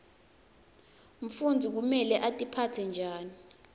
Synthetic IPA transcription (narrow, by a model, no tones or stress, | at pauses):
ɱ̩fund͡zʱik̬umɛlɛʔatʼipʰatʰɛnd͡ʒʱaːni